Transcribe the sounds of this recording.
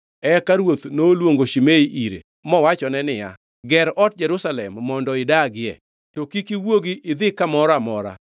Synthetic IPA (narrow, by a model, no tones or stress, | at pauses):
ɛkaɾwot̪nolwoŋɡoʃimeiʔiɾḛ | mɔwat͡ʃɔnɛnɪja̰ | ɡɛɾɔt̚d͡ʒɛɾusalɛmːɔndɔɪdaɡɪɛ̰ | tokikiwoɡiɪd̪ɪkamɔɾamɔɾa̰